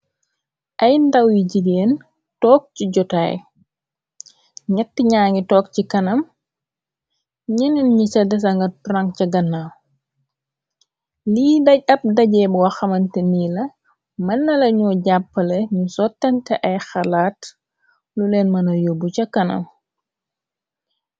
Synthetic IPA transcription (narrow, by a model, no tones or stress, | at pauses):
ʔɐjndɐwjiɟideːn | tɔːk̚ciɟɔta̰ːj | ɲɐtːiɲaːŋitɔːk̚cikɐnɐm | ɲininɲisɐdɛs̬ɐŋɡɐpraŋcɐɡɐnːaw | liːdɐɟ̚ɐp̚dɐɟɛbɔwɐxɐmɐntɛniːlɐ | mɐnːɐlɐɲɔɟapːɐlɛɲusɔtːɐntɛʔɐjxɐlaːt | lulɛːnmɐnɐjobucɐkɐnɐ̰m